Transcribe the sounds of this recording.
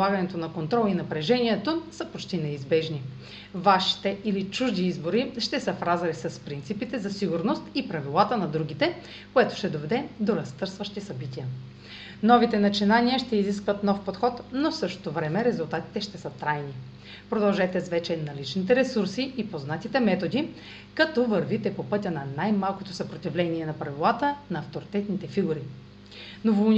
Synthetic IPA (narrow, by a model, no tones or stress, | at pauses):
aɡɐnɛt̪onɐkont̪ɾɔlˠinɐpɾɛʒɛniɛt̪osəpot͡ʃt̪inɛizbɛʒni | vaʃi̥t̪ɛʔilit͡ʃuʒd̪iizboɾiʃt̪ɛsəfɾazɐlisɐspɾint̪sipit̪ɛzɐsiɡuɾnost̪ipɾɐvilˠat̪ənɐd̪ɾuɡ̟it̪ɛ | koɛt̪o̥ʃt̪ɛd̪ovɛd̪ɛd̪oɾɐst̪ɤɾsvəʃt̪isɐbit̪iə | nɔvit̪ɛnɐt͡ʃinaniəʃt̪ɛiziskvət̪nɔfpot̪xɔt̪nosɤʃt̪o̥t̪ovɾɛmɛɾɛzulˠt̪at̪i̥t̪ɛʃt̪ɛsət̪ɾajni | pɾod̪ɐlˠʒɛt̪ɛsvɛt͡ʃɛnɐlit͡ʃnit̪̬ɛɾɛsuɾsiipoznat̪it̪ɛmɛt̪od̪i | kɐt̪ɔvəɾvit̪ɛpopɤt̪ʲənɐnajmalˠkot̪osɐpɾot̪ivlɛniɛnɐpɾɐvilˠat̪ənɐːft̪oɾit̪ɛt̪nit̪ɛfiɡuɾi | novon